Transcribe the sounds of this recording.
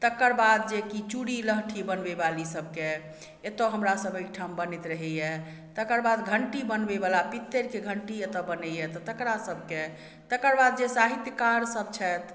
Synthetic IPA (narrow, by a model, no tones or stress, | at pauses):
t̪əkəɾbad̪̚d͡ʒekit͡ʃuɽiləɦʈʰibənbebalisəb̚ʱke | et̪ɔɦəmɾasəbəjkʈʰambənit̪ɾəɦɛje | t̪əkəɾbad̪ɡʱəɳʈibənbebalapit̪ːeɾkeɡʱəɳʈiet̪ɔbənɛjɛt̪ɔt̪əkɾasəbʱke | t̪əkəɾbad̪̚d͡ʒesaɦit̪jəkaɾsəb̚t͡ʃʰɛt̪